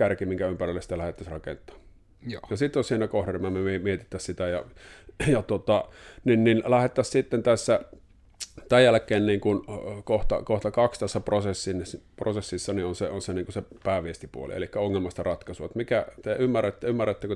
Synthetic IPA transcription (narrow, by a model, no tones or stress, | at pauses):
kærkimiŋkæympærilːesi̥t̪ælæhet̪ːæsrɑkḛnt̪ːˑɑ̥ː | jɑsit̪ːˑonsiːnækohremæmemimiet̪it̪ːæssit̪æjɑ̰jɑt̪ot̪ɑninninlæhet̪ːæssit̪ːent̪æsːæ | t̪æjjælkːˑeːnniːŋkunkoht̪ɑ̰koht̪ɑkɑkst̪æsːæprosesːinprosesːisːɑnionseonseniːŋkusepæːʋiest̪ipṵo̰lḭḛlikːæoŋːelmɑst̪ɑrɑt̪kɑsuʋɑt̪mikæt̪eymːærːæt̪ːæymːærːæt̪ːæko